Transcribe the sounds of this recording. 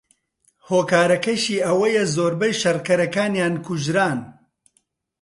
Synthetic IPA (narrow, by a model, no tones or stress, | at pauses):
hoːkaːɾɐkɐʃiːʔɐwɐjɛzoːɾbɐjʃɐrkɐɾɐkaːnjaːnkʰuʒɾaːn